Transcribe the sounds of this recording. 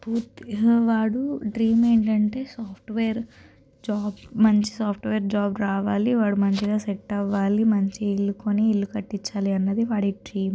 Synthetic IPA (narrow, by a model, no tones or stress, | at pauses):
puːt̪ʋaːɽuɖɾiːme̞ːɳʈ̬ɐɳʈe̞ːsaːpʰʈʋeːɾ | d͡ʒaːbmɐɲt͡ʃi̥saːpʰʈʋeːɾd͡ʒaːbɾaːʋaːliʋaːɽumɐɲt͡ʃiɡaːseʈːɐʋːaːlimɐɲt͡ʃiilːukoːniːɭːukɐʈːit͡ʃːaːliɐnːɐd̪iʋaːɽiɖɾiːm